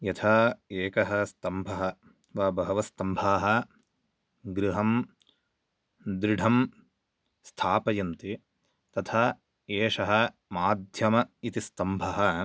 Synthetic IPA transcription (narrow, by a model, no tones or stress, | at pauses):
jɐt̪ʰɐeːkɐɦɐst̪ɐmbʱɐɦɐ | ʋaːbɐɦɐʋɐst̪ɐmbʱaːɦɐ̆ | ɡɾiɦɐm | d̪ɾɪɖʱɐm | st̪ʰaːpɐjɐnt̪i | t̪ɐt̪ʰɐ | eːʂɐɦɐ | maːd̪ʱjɐmɐit̪ist̪ɐmbʱɐɦɐ̆